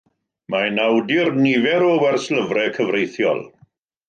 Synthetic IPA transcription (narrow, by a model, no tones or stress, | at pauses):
manawdɪrnivɛɾɔwɛrsləvrɛkʰəvrejθjɔ̰lˠ